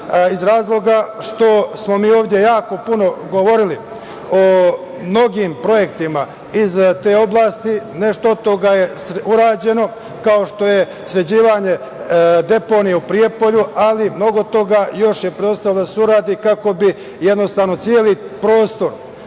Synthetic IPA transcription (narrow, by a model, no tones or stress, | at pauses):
izɾaːzlˠo̞ɡaʃt̪o̞smo̞miːo̞ːvd̪ʲje̞jaːko̞puno̞ɡo̞ʋo̞ɾili | o | mno̞ɡiːmpɾo̞je̞kt̪ima | izt̪eːo̞blˠaːst̪ine̞ʃt̪oot̪o̞ɡaje̞sɾuɾaːd͡ʑe̞no̞ | kaoʃt̪o̞je̞ | sɾe̞d͡ʑiːʋaɲe̞ | d̪e̞po̞ːnijeupɾije̞po̞ʎualimno̞ɡo̞t̪o̞ɡajo̞ʃje̞pɾeost̪alod̪aseuɾaːd̪ikako̞bi | je̞d̪no̞st̪aːʋno̞t̪sjeːlipɾo̞ːst̪o̞ɾ